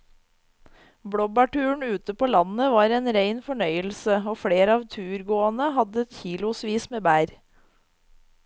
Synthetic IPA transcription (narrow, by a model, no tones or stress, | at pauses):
bɽɔbɑʈʉːɳ̩ʉːt̪əpoːlɑnəʋɑːɾeːnɾeɪnfɔɳœʏəl̩səoːfɽeːɾəɑːʋt̪ʰʉːɾɡoːɑnəhɑd̪əɛt̪çiːlʊsʋiːsmeːbæːɾ